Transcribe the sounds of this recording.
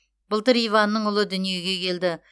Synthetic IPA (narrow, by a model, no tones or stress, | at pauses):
bʊlˠt̪əɾijvɑnːəɴʊlˠəd̪ʏnije̞ɡʲe̞kʲʰe̞ld̪ɪ